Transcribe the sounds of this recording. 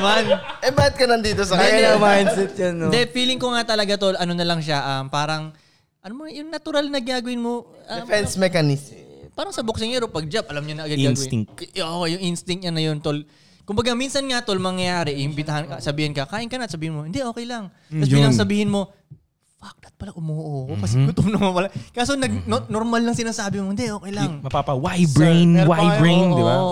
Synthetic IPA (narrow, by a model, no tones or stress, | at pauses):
manʔɛbaːhɪt̪̚kɐnɐnd̪iːt̪osɐmajnsɛt̪̚janːond̪ɛfiːlɪŋkoŋat̪ɐlɐɡat̪o̞lʔɐno̞nɐlɐŋʃ̬aʔampaːɾɐŋ | ʔɐnomɐjʊŋnɐt̪ʊɾalnɐɡɪaːɡʊɪnmo̞ʔafɛnsmɛkanispaːɾɐŋsɐbok̚sɪŋɛɾopɐɡ̚d͡ʒap̚ʔɐlamɲʊnɐʔɐɡad̪ɡɡaːɡɪŋʔoːʔojʊŋʔɪnst̪ɪŋk̚t̪̚ɲɐnɐjo̞nt̪ol | kʊmbɐɡaminsɐnŋɐt̪olmɐŋjɐjaːɾɛʔɪhɪmbɪt̪ɐhɐnkɐsɐbiːhɪnkɐkaːʔɪnkɐnɐt̪sɐbiːhɪnmo̞hɪnd̪ɛʔoːkɛjlɐŋ | kɐlɐsɐbiːhɪnmo̞ | fak̚nɐt̪̚pɐlaʔʊmoːʔookɐsɛɡʊt̪ʊmnɐmopɐlakaːsonɐɡ̚nnoɾmalːɐŋsɪnaːsaːbɪmoɪnd̪ɛʔo̞ːkɛjlɐŋmɐpapɐwajbɹejnwajɹejnoɪbao